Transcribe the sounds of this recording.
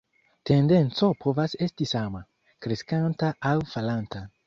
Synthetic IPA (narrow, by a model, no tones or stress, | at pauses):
te̞nde̞nt͡so̞pʰo̞vase̞stisama | kɾeskantaawfalanta